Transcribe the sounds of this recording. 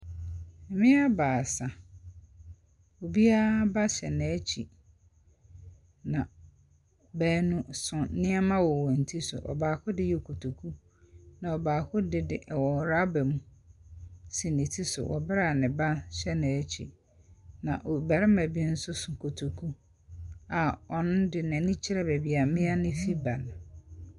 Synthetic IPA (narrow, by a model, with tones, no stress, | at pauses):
m̩˨mɪ̃˦a˦baː˨sa˨ | o˨bi˦a˦ba˦ɕɛ̰˨nɛ̃˨˦t͡ɕʰi˨ | nã˨ | bæː˦nũ˨sʊ̃˨nɪ̃˦ɛ˦mã˦wɔ˨wɔ̃˨n̩˨tʰi˦sʊ̰˨ʔɔ̰˨baː˨kʰʊ˦dɪ˦jɛ˦˨kʰo˨tʰu˨kʰu˦ | nã˨ɔ˨baː˨kʰʊ˦dɪ˦dɪ˦ʔɛ˨wɔ˨ɾa˦bɛ˨mũ˦ | si˨nɪ̃˨tʰi˦sʊ̰˨wɔ̰˨bɾa˦˨nɪ̃˨bã˦nɕɛ˦nɪ̃˨ɛ˦t͡ɕʰḭ˨ | nã˨ʔo˨ba˨ɾɪ˦mæ̃˨bi˦n̩˦sʊ˦sʊ̃˨kʰo˨tʰu˨kʰu˦ | a˨ɔ˨nʊ̃˦dɪ˨nɛ̃˨nĩ˦t͡ɕʰɪ˦ɾɛ˦bɛ˨bi˨a˨mɪ̃˦a˦nɪ̃˦fi˦ba˨ñ˨